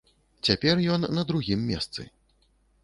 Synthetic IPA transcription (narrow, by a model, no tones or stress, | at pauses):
t͡sʲapʲɛrjɔnːɐd̪ɾuɣʲimːʲɛ̰st̪sɨ̰